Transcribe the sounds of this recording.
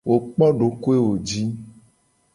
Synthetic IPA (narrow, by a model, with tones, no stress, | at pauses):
wo˨k͡pɔ˦ɖo˨ko˦e˦wo˨d͡ʒi˦